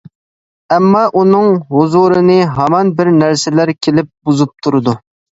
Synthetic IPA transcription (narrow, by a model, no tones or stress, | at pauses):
ɛmːɑʔunɨŋɦuzuɾɨnɨɦɑmɑnbɪɾnæɾsɪlæɾkʲʰelɪp̚buzup̚t̪ʰuɾɨd̪u